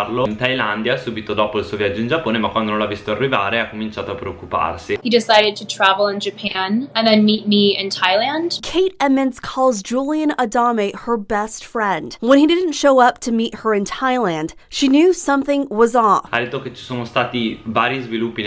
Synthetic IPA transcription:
rlont̪ajland̪jasuːbit̪od̪ɔːpoilsuːovjad͡ʒːoind͡ʒapːoːnemakwand̪onõlavːist̪oarːivaːɾeakːomint͡ʃaːt̪oapɾeokːupa̰rsihidɪsaɪɾɨd̚tʰɨtʰɹ̥ævl̩ˠɪ̃nd͡ʒɨpʰæ̃nɨ̃nðɨ̃nmit̚miɪ̃ntʰaɪlˠæ̃nd̥kʰeɪɾɛmɪ̃nzkʰɔlˠzd͡ʒulˠiɨ̃nədɑmehə˞bɛstfɹɛ̃nd̥wə̃nidɪdⁿn̩tʃoʊʌp̚tʰɨmit̚hə˞ɨ̃ntʰaɪlæ̃nd̥ | ʃinjʉsʌ̃mθɪ̃ŋwʌzɔa̰d̪et̪ːoket͡ʃi̥soːnost̪aːt̪ivaːɾjizvilupːi

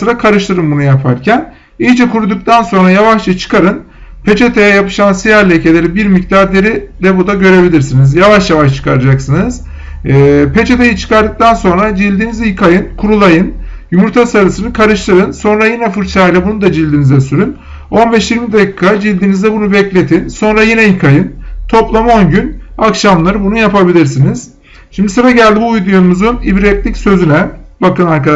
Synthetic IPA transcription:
ɯɾakʰaɾɯʃlˠɯɾɯmbunujapʰa̰ɾcʰæn | ilt͡ʃʰɛkʰuɾud̪uk̚t̪ʰanso̞nɾajavaʃt͡ʃɯt͡ʃʰɯ̥kʰaɾɯn | pʰe̞t͡ʃʰe̞t̪ʰejɛjapɯ̥ʃansijaɾlʲecʰe̞lʲe̞ɾibiɾmict̪aɾd̪ʲeɾid̪ɛbud̪aɟø̞ɾe̞bilʲiɾsinizjavaʃjavaʃt͡ʃʰɯ̥kʰaɾad͡ʒaksɯnɯz̥ | pʰe̞t͡ʃʰe̞t̪ʰejɯt͡ʃʰɯ̥kaɾd̪ɯk̚t̪ʰanso̞nɾad͡ʒilʲd̪iːnizijkʰajɯnkʰuɾulˠajɯn | jymuɾt̪ʰasaɾɯsɯnɯkʰaɾɯʃlˠaɾɯnso̞nɾajinɛfɯɾt͡ʃʰlajlʲˠabunud̪ad͡ʒilʲd̪inizɛsyɾyn | o̞nbɛʃjiɾmid̪acikʰad͡ʒilʲd̪inizd̪ɛbunubɛclʲe̞t̪ʰinso̞nɾajinɛjikʰajɯnt̪ʰo̞plˠamo̞nɟynakʃamlˠaɾɯbunujapabilʲiɾsiniz̥ | ʃimd̪isɯɾaɟælʲd̪ibuːjd̪ujumuzunibɾɛt̪lʲicsø̞zynɛbakɯnaɾkaa

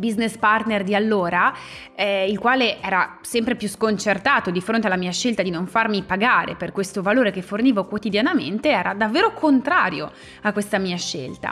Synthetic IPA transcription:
biznespart̪nerd̪ialːoːɾa | ɛilkwaːleʔɛːɾa | sɛmpɾepjuskont͡ʃert̪aːt̪od̪ifɾont̪ealːamiːaʃelt̪ad̪inoɱfarmipaɡaːɾḛperkwest̪ovaloːɾekefːorniːvokwot̪id̪janament̪eɛːɾad̪avːeːɾokont̪ɾaːɾjo | akːwest̪amiːaʃːḛlt̪a̰

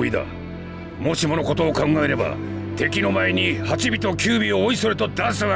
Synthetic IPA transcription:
id̪a̰ | mo̞ɕimo̞no̞ko̞t̪o̞ːkãŋɡae̞ɾe̞ba̰t̪e̞kʲino̞maeɲ̟ihat͡ɕibʲit̪o̞kʲɨːbʲioːisoɾɯ̟t̪o̞d̪ãɰ̃sɨɡa

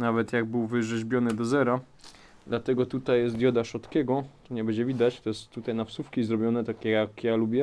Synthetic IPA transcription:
navɛt̪jaɡ̚bɘwvɘʐɛʑbʲjɔnɘd̪ɔzɛɾa | d̪lat̪ɛɡɔt̪ut̪ajːɛst̪d̪ʲjɔd̪aʂɔt̪kʲɛɡɔt̪ɔɲɛbɛd͡ʑɛvʲid̪at͡ɕt̪ɔjɛst̪ːut̪ajnapsufkʲizɾɔbʲjɔnɛt̪akʲɛjakjalubʲjɛ

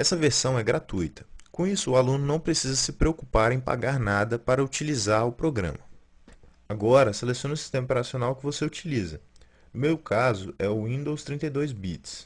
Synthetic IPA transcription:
ɛsɐveɾsɐ̃w̃ɛɡɾat̪ujt̪ɐ̥kõisʊːalũnʊnɐ̃w̃pɾesizɐsɪpɾeokupaɾẽj̃pa̰ɡaɾnad̪ɐpaɾɐut͡ʃilizaɾʊpɾoɡɾɐ̰̃mɐ | aɡɔɾɐselesiõnʊsi̥st̪ẽmɐpeɾasionawkɪvoseut͡ʃilizɐ | ʊmewkʰazʊɛʊĩnd̪owst̪ɾĩnt̪ɐjd̪ojzbit͡ʃs

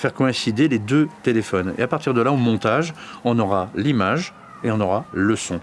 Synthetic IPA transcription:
fɛʁkɔɛ̃sid̪eled̪øt̪elefɔnḛapaʁt̪iʁd̪əlaomɔ̃t̪aʒɔ̃nɔʁalimaʒ | eɔ̃nɔʁaləsɔ̃

